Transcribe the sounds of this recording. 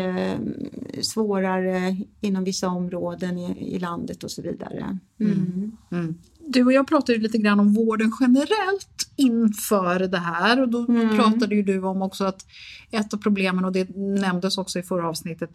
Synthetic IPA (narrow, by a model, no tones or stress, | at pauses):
svoːɾaɾəɪnːɔmvɪsːaɔmːɾoːd̪ənɪ̰land̪ət̪ɔsɔvḭːd̪a̰ɾə̰ | d̪ɵɔjɑːɡ̚pʰɾɑːt̪ad̪jəliːt̪əɡɾanːɔmvoːɖənɧɛnəɾɛlt̪ɪnːfœːɾd̪ɛɦæːɾɔd̪ɔpʰɾɑːt̪ad̪əjɵd̪ɵɔmɔksɔat̪ɛt̪ːavpʰɾʊbleːmənɔd̪ɛnɛmd̪əsɔksɔɪfœɾaɑːvsnɪt̪ːət̪